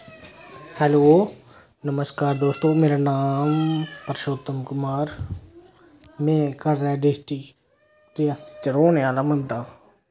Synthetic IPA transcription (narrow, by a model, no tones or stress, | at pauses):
hɛloː | nɐməskaːɾd̪oːst̪oːmeːɾanaːmpɐɾʃoːt̪ɐmkʊmaːɾ | mɛ̃ːkɐɾːɛːɖesʈi | ʈiɐst͡ʃɐɾoːneaːlamɐnd̪aː